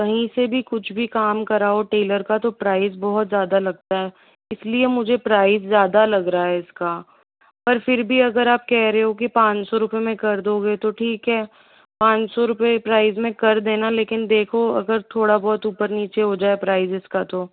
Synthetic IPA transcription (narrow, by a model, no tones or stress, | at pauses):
kɐɦĩsebʱikʊt͡ʃʰbʱikaːmkɐɾaːoʈeːləɾkat̪opɾaːɪzbɔɦɔt̪zjaːd̪alɐɡ̚t̪aɦɛ | ɪsliemʊd͡ʒʱepɾaːɪzːjaːd̪alɐɡɾaaːɦɛɪska | pɐɾfɪɾbʱiɐɡəɾaːp̚kɛɦɾeɦɦok̬ipãːt͡ʃsɔɾʊpemẽkɐɾd̪oːɡet̪oʈʰiːkɦɛː | pãːt͡ʃsɔɾʊpepɾaːɪzmẽkɐɾd̪eːnaleːkɪnd̪eːkʰoɐ̰ɡəɾt̪ʰoːɽabɔːt̪uːpəɾniːt͡ʃeɦod͡ʒaːepɾaːɪzɪskat̪oː